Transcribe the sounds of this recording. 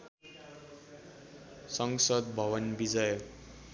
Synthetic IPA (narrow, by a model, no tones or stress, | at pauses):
sʌŋsʌd̪̚bʱʌwʌnbid͡zʌj